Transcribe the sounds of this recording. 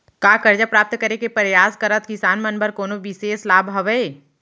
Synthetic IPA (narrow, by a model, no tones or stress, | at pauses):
kaːkɐɾd͡ʒapɾaːp̚t̪kəɾekepəɾjaːskəɾət̪̚kɪsaːnmɐnbəɾkoːnoʋɪseːslaːbʱɦɐʋəe